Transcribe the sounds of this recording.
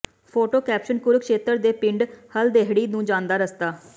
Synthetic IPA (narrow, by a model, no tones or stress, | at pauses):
pʰoːʈoːkɛːpʃənkʊɾkʃeːt̪əɾd̪eːpɪ̃ɳɖhəld̪eːɦɽiːnũːd͡ʒãːnd̪aːɾəst̪aː